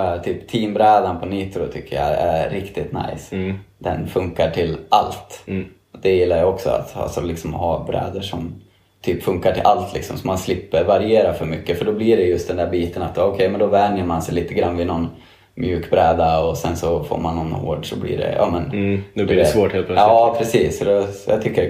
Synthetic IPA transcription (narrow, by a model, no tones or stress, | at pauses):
t̪ʰyːpt̪ʰiːmbɾɛːd̪anpʰɔniːt̪ɾʊt̪ʰʏkːəja̰æɾɾɪkt̪ɪt̪na̰jsd̪̥ɛ̰nfɵŋkaʈʰɪlʔalt̪ | d̪̥ɛjɪlːaɾjaɔksɔ̰a̰t̪a̰lsɔlɪksɔmɔɦabɾɛ̰ːd̪əʂɔm | t̪ʰyːpfɵŋkaʈʰɪ̰lʔalt̪ʰlɪ̰ksɔmsɔmːanslɪpːəɾvaɾɪeːɾafœɾmʏkːəfœɖɔbliɖɛjɵst̪d̪ɛnd̪æɾbiːt̪ənat̪ːɔkʰɛjmɛnd̪ɔvɛnjəɾmansɛjliːt̪əɡɾanːvɪnɔn | mjʉːkbɾɛːd̪aɔsɛnsɔfo̰ːɾmanːɔnho̰ːɖʂɔblḭɖɛ̰jʔɑ̰ːmɛnd̪ɛvoːheːlpʰɑːpʰɾɛsiːsɔd̪ɛja̰ːɡt̪ʰʏkːəɾ